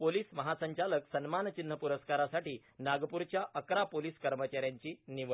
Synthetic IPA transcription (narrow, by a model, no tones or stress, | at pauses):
poliːsməɦasəɲt͡ɕaləksənmant͡ɕin̤ːəpuɾəskaɾasaʈiː | naɡpuɾt͡ɕjaʔəkɾapoliːskəɾmət͡ɕaɾjaɲt͡ɕiːniʋə